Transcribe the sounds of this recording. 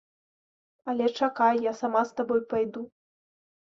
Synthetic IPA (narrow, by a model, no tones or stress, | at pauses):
ɐlʲɛt͡ʂakajːasamast̪abɔjpajd̪u